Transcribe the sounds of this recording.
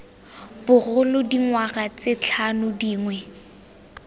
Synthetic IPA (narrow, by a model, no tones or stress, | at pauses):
b̥ʊɣʊlʊdiŋwaɣat͡sɪt͡ɬʰanʊdiːŋwɛ